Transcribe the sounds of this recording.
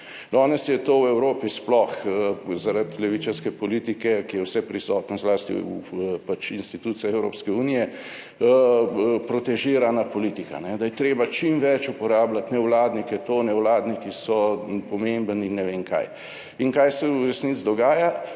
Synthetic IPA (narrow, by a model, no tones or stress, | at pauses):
d̪ɔnɛsjɛt̪oːwɛwɾoːpisplɔxzaɾat̪lɛʋit͡ʃaɾskɛpɔliːt̪ikɛkijɛwsɛpɾisɔːt̪nɔzlaːst̪ḭpat͡ʃinst̪it̪uːt̪siaɛwɾo̰ːpskɛuːnijɛ | pɾɔt̪ɛʒiːɾanapɔlit̪ika̰nɛd̪ajɛt̪ɾeːbat͡ʃimʋɛt͡ʃupɔɾaːblat̪nɛwlaːd̪nikɛt̪oːnɛwlaːd̪nikisɔpɔmẽmbəninːɛʋeŋka̰j | iŋkajsɛuɾɛsnit̪t͡szd̪ɔɡaːja